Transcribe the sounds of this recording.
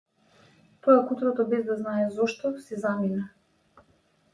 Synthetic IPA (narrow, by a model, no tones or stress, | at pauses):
t̪ɔakut̪ɾɔt̪ɔbɛzd̪aznaɛzɔʃt̪ɔsɛzamina